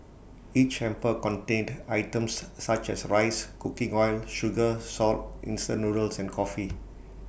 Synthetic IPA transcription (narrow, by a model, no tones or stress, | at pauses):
it͡ʃɛ̃mpəkɔ̃ntẽndajtə̃msːat͡ʃɛsɹaɪskukĩŋɔjlʃuɡəsɔltʔḭ̃nstə̃nːuɹəlsɛ̃nkʰɔfi